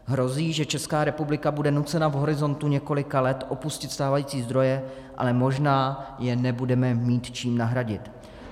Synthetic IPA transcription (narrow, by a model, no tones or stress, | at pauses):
ɦɾo̞ziːʒɛt͡ʃɛskaːɾɛpublɪkabudɛnut͡sɛnavɦo̞ɾɪzo̞nt̪uɲɛko̞lɪkalɛt̪ʔo̞puscɪt̪st̪aːvajiːt͡siːzd̪ɾo̞jɛ | ʔa̰lɛmo̞ʒnaːjɛnɛbudɛmɛmiːt̪t͡ʃiːmnaɦɾaɟɪt̪